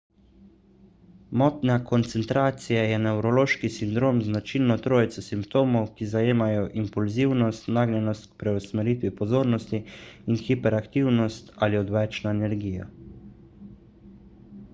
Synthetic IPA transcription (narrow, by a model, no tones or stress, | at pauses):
mɔːt̪nakɔnt̪sɛnt̪ɾaːt̪sijajɛnɛwɾɔloːʃkisind̪ɾoːmznat͡ʃilnɔt̪ɾoːjt̪sɔsimpt̪oːmɔwkizajeːmajɔʔimpulziwnɔst̪naːɡnʲɛnɔst̪̚kpɾɛusmɛɾiːt̪ʋipɔzoːɾnɔst̪iinxipɛɾakt̪iwnɔst̪aliɔd̪ʋɛt͡ʃnaɛnɛɾɡiːja̰